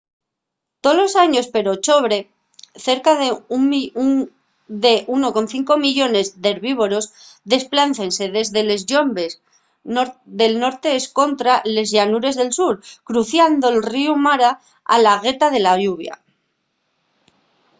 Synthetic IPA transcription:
t̪olo̞saɲo̞speɾo̞t͡ʃo̞β̞ɾe̞ | θe̞ɾkaðe | d̪eʔuno̞ko̞nθiŋko̞miʎo̞ne̞zðe̞ɾβiβ̞o̞ɾos | ðe̞splan̟θe̞nse̞ðe̞zðe̞le̞zʝo̞mbes | ðe̞lno̞ɾt̪e̞esko̞nt̪ɾale̞zʝanuɾe̞zðe̞lsuɾkɾuθjand̪o̞elriumaɾa | a̰laɣ̞e̞t̪að̞e̞laʎuβja̰

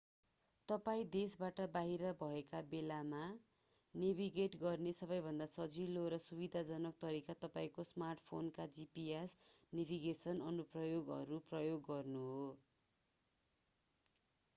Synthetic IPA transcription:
t̪ʌpaĩd̪esbaʈʌbaɦiɾʌbʱʌekabelama | nebiɡeʈɡʌrnesʌbʌjbʱʌnd̪asʌd͡ziloɾʌsubid̪ʱad͡zʌnʌk̚t̪ʌɾikat̪ʌpaĩkosmarʈpʰonkad͡zipiesnebʱiɡesʌnʌnuprʌjoɡʌ̰ɾuprʌjoɡːʌrnuɦo

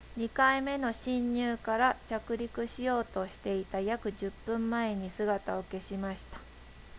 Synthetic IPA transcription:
ɲ̟ikaime̞no̞ɕĩɲːɨːkaɾat͡ɕakɯ̟ɾʲikɯ̟ɕijo̞ːt̪o̞ɕi̥t̪e̞it̪ajakɯ̟ʑɨpːɯ̟̃mːae̞ɲ̟isɨɡat̪ao̞ke̞ɕimaɕi̥t̪ḁ

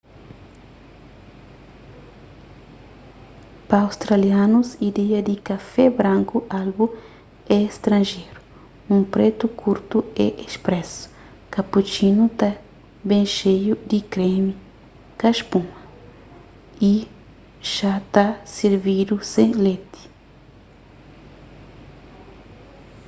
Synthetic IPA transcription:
paːwst̪ɾalianusid̪ɛɐd̪ikɐfɛbɾãŋkuʔalbu | ɛst̪ɾɐ̃nʒejɾu | ũpɾet̪ukʰuɾt̪uɛʔespɾɛsu̥ | kɐput͡ʃinut̪a | bẽʃejud̪ikɾemi | kɐʃpũŋɐ | i | ʒ̥at̪aseɾvid̪usẽlet̪i̥

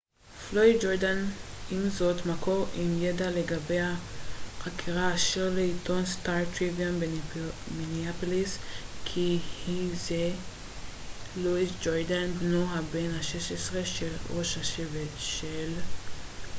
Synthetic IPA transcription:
floidd͡ʒoɾdanimzot̪makoʁimjedaleɡabejhaχakʰiʁaːʃeʁleito̞nstaɾtʁivianbeminiapoliskʰihize | luisd͡ʒoɾdanbnuɦabenhaʃeʃesʁe̞ʃelʁo̞ʃhaʃevetʃel

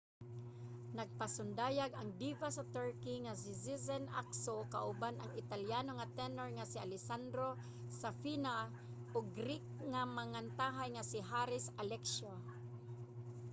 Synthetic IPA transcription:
naɡ̚pasʊnd̪aːjaɡaŋd̪ivasat̪ɛɹkiŋas̬ɪsisɛnʔa̰ksokaʔʊbanaŋɪt̪aljaːnoŋat̪ɛnɛɹŋasɪʔalɪsand̪ɾo | safina | ʔʊɡɾɪk̚ŋamaŋant̪aːɦajŋasɪɦaɾɪsalɛkʃo

